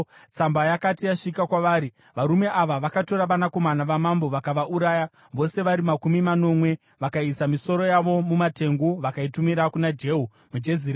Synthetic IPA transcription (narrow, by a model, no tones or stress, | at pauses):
t͡sambajakatijaʂikakwaʋaːɾi | ʋaɾume̞ʔaʋaʋakato̞ɾaʋanako̞manaʋamambo̞ʋakaʋaʔuɾaːja | ʋo̞se̞ʋaɾimakumimano̞mwe̞ | ʋakaisamiso̞ɾo̞jaʋo̞mumate̞ŋɡuʋakaitumiɾakunad͡ʒe̞ɦu | mud͡ʒezir